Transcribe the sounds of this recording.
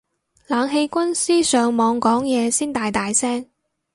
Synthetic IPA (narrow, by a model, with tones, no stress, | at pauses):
laː˨˧ŋɦe˧jkʷɐ˥nsiː˥sœː˨ŋmɔː˨˧ŋkɔː˨˥ŋjɛː˨˧siː˥nt̪aː˨jt̪aː˨jsɛː˥ŋ